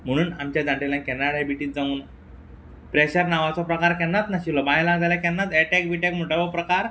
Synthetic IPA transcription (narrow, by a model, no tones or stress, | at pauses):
m̤əɽ̃uːnamt͡ɕjad̪ãɳʈelãkɛnaɽajbiʈiːt̪̚d͡zauːn | pɾeɕəɾnaʋat͡sɔpɾəkaɾkɛnːat̪naɕilɔbajlaɡd͡z̪alakɛnːat̪ɛʈɛk̚biʈekm̤uʈəbəpɾəkaɾ